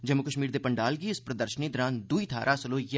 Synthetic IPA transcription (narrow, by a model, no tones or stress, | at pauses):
d͡ʒəmːʊkəʃmiːɾd̪eːpəɳɖaːlɡiːɪspɾəd̪əɾʃəniːd̪ɔːɾãːnd̪ʊiːt̪ʰaːɾʔaːsəloːj